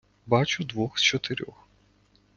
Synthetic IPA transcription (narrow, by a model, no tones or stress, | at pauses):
bɑt͡ʃʊd̪ʋɔxst͡ʃɔt̪eɾʲɔx